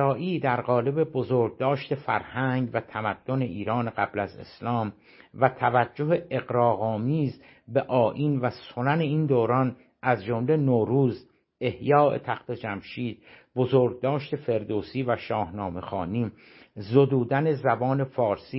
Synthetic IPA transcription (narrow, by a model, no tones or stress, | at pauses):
ɒːʔiːd̪æɾɣɒːle̞be̞bozoːɾɡ̚d̪ɒːʃt̪ʰe̞fæɾhæŋɡvæt̪ʰæmæd̪̥ːo̞ne̞ʔiːɾɒːneɣæblæze̞̰slɒːm | væt̪ʰævæd͡ʒːoɦeeɣɾɒːɣɒːmiːz | be̞ʔɒːʔiːnvæso̞næne̞iːnd̪oːɾɒːn | ʔæzd͡ʒomle̞noːɾuːz | e̞hjɒːʔe̞̰t̪ʰæxt̪ʰe̞d͡ʒæmʃiːd̪̚bozoːɾɡ̚d̪ɒːʃt̪e̞fe̞ɾd̪oːsiːvæʃɒːhnɒːme̞xɒ̰ːniː | zod̪uːd̪æne̞zæbɒːne̞fɒːɾsiː